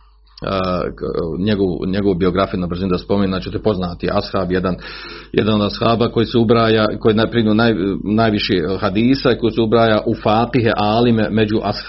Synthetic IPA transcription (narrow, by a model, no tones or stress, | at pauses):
ɲeɡoʋṵɲeɡo̞ʋubio̞ɡɾafijunabr̩zinud̪aspo̞menunat͡ɕet̪epo̞znaːt̪iʔashabjed̪anjḛd̪anod̪ashaːbako̞jiseubɾaːjakojenapɾinunajnaːjʋiʃehad̪iːsakojisɛubɾaːjaʔufaːt̪iɦeʔaːlimeme̞d͡ʑuʔash